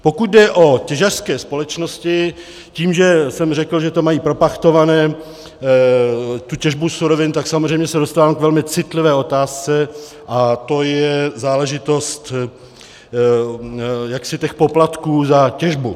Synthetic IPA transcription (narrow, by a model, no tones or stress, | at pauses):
po̞kut̪̚dɛʔo̞cɛʒar̥skɛːspo̞lɛt͡ʃno̞scɪ | ciːmʒɛsɛmrɛkl̩ʒɛt̪o̞majiːpɾo̞paxt̪o̞vanɛː | t̪ucɛʒbusuɾo̞vɪnt̪aksamozr̝ɛjmɲɛsɛdost̪aːvaːmkvɛlmɪt͡sɪt̪lɪvɛːot̪aːst͡sɛ | ʔat̪o̞jɛzaːlɛʒɪt̪o̞st̪ | jaksɪt̪ɛxpo̞plat̪kuːzacɛʒbu